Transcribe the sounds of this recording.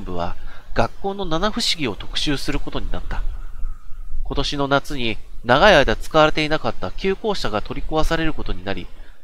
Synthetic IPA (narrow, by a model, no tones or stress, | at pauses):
mbɯ̟β̞a̰ɡ̥akːo̞ːno̞nanaɸɯ̟ɕiɡʲio̞t̪o̞̥kɯ̟̥ɕɨːsɨɾɯ̟ko̞t̪o̞ɲ̟inat̪ːa | ko̞t̪o̞ɕino̞nat͡sɨɲ̟inaɡaiaid̪at͡sɨ̥kaβaɾe̞t̪e̞inakat̪ːakʲɨːko̞ːɕaɡat̪o̞ɾʲikɯ̟βasaɾe̞ɾɯ̟ko̞t̪o̞ɲ̟inaɾʲḭ